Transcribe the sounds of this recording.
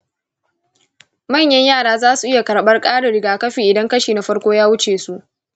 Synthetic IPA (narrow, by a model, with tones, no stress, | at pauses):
mɐ˦˨ɲjɐ˦ɲjaː˦˨ɽaː˦zaː˦su˨ʔɪ˦ja˨kɐ˨ɽɓɐ˦rkʼaː˦ɽʊ˨ɽɪ˨ɡaː˨kɐ˦ɸiː˨ʔɪ˨dɐ˦ŋkɐ˦ʃiː˨na˨ɸɐ˦ɽkʷoː˦jaː˦wʊ˦t͡ʃeː˨su˦ʔ